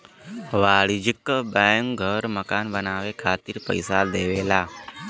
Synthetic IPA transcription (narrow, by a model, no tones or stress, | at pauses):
ʋaːɭid͡ʒikːbajəŋɡʱəɾməkaːnbənaːʋekʰaːt̪iɾpə̰jsad̪eːʋeːlaː